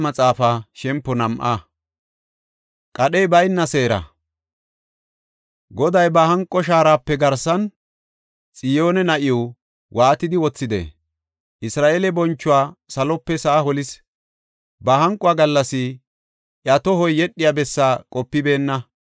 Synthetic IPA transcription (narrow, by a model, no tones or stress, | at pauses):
mɐt͡sʼaːfaːʃɛmpːɔnɐmʔa̰ | kʼɐɗɛjbɐjnːɐse̞ːɾɐ̰ | ɡɔd̪ɐjbɐhɐŋkʼːɔʃ̬aːɾaːpːɛɡɐɾsɐn | t͡sʼɪjo̞ːnɛnɐʔɪjɔ | wʔaːt̪ɪd̪ɪwɔt͡sːɪd̪ḛ | ʔɪsɾaːʔeːlɛbɔnt͡ʃːʊwaːsɐlɔpːɛsaːhɔlɪs | bɐɦɐŋkʼːʊwaːɡɐlːɐsɪ | ʔjɐt̪ɔhɔjːɛɗːɪjabɛsːaːkʼɔpːɪbe̞ːnːɐ